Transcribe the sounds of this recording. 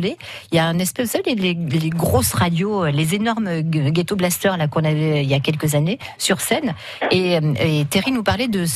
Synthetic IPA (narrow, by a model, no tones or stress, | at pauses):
leiljaɛ̃nɛspɛusaveleleleɡʁosʁad̪joølezenɔʁmɡʲet̪oblast̪œʁlakɔ̃navɛiljakʲɛlkəzanesyʁsɛn | eøet̪eʁinupaʁlɛd̪əs